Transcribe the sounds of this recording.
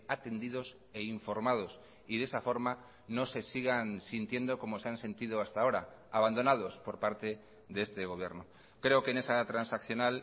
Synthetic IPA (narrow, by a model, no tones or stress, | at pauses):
at̪e̞nd̪iðo̞s | e̞iɱfo̞ɾmað̞o̞s | iðe̞safo̞ɾma | no̞se̞siɣansint̪je̞nd̪o̞ko̞mo̞seanse̞nt̪iðoast̪ao̞ɾa̰aβand̪o̞nað̞o̞spo̞ɾpaɾt̪e̞ | ðee̞st̪e̞ɣ̞o̞β̞jeɾno | kɾe̞okene̞sat̪ɾansakθjo̞nal